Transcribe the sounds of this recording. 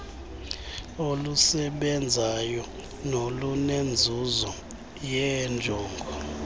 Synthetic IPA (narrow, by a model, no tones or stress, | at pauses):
olusɛɓɛnd͡zʱajɔ | nolunend͡zʱuzɔ | jɛnd͡ʒʱɔːŋɡʱɔ